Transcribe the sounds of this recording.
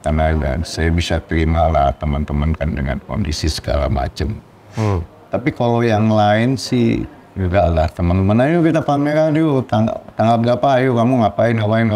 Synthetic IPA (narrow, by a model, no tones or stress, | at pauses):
t̪anala̰nsajabisat̪əɾimalaht̪əmənt̪əmənkandəŋa̰nko̰ndisisə̥ka̰ɾa̰ma̰t͡ʃəm | t̪apikalojaŋlaɪnsɪ̰h | d͡ʒuɡalaht̪əmənt̪əmənajukit̪apamiɾad͡ʒut̪aŋ̰t̪aŋap̚ɡapajukamuŋapaɪnapaɪn